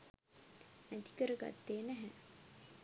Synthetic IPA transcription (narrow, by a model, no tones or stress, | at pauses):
mæt̪i̥kəɾəɡa̰t̪ːeːnæɦæ